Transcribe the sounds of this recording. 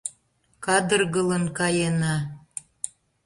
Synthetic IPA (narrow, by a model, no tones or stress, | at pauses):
kɑd̪ərɣələnkɑjenɑ